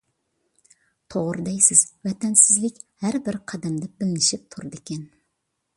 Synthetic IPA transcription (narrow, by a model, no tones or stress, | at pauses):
t̪ʰoʁɾɨd̪ɛjsɪzvɛt̪ʰɛnsɪzlɪkʲhæɾbɪɾqʰɑd̪ɛmd̪ɛbɪlɪnɪʃɪp̚t̪ʰʊɾɨd̪ɪkʲʰɛn